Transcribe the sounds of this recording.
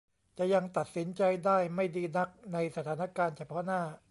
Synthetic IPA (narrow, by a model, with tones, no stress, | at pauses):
t͡ɕa˨˩ja˧ŋt̪a˨˩t̪̚si˩˦nt͡ɕa˧jdaː˥˩jma˥˩jdiː˧na˦˥k̚na˧jsa˧t̪ʰaː˩˦na˦˥kaː˧nt͡ɕʰa˧pʰɔ˦˥naː˥˩